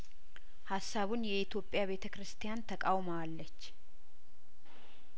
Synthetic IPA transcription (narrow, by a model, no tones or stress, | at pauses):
hasːaβunjɛɪt̪ʰjo̞pʼːjaβe̞t̪ʰəkɾɨst̪ʰijant̪ʰəkʼawməalːət͡ʃː